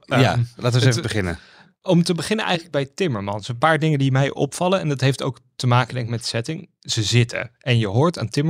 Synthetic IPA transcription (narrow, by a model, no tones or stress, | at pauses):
ja̰laːtəsefəbəχɪnə̰ | ɔmtəbəχɪnənʔɛ̰jχələɡ̚bɛjtɪməɹmɑnsənpaːɹdɪŋəndimɛjʔɔ̰pfɑləɛndɑtɦejfto̰wktəmaːkəndɛŋkmɛtsɛtɪŋ | z̥əzɪtə̰ʔɛnjəɦʊːɹtaːntɪmə